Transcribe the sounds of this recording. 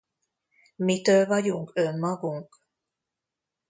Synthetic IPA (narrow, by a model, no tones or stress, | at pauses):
mit̪øːlvɒɟuŋkømːɒɡuŋk